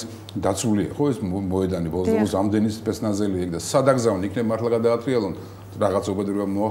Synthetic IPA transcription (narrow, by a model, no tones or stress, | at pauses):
d̪at̪sʰulia̰χɔɛsmɔɛd̪anibɔlˠɔzd̪aɡɔsɾamd̪ɛnispʼɛt̪sʰnazɛliaɛkd̪asad̪aɡzavnikʰnɛbmat̪ʰlaɡad̪aːt̪ʰʼɾialˠɔn | ɾaʁat̪sʰɔbɛd̪ɾiamɔa